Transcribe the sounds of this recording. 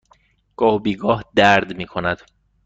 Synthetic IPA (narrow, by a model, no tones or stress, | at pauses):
ɡ̥ɒːhbiːɡɒːhd̪æɾd̪miːkʰonæd̪̥